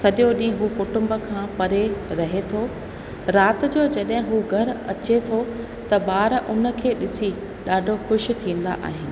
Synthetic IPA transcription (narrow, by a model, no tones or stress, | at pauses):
sɐɗjoɗĩːɦɦuːkʊʈʊ̃mbə̆kʰãːpɐɾeɾɐɦet̪ʰoː | ɾaːt̪̆d͡ʑoːd͡ʑɐɗɦɪ̃ɦuɡʱɐɾɐt͡ɕet̪ʰo | t̪ɐɓaːɾʊnə̆kʰeːɗɪsi | ɗaːɖʱoxʊʃt̪ʰĩːn̆d̪a̰ʔa̰ːɦɪnɪ̆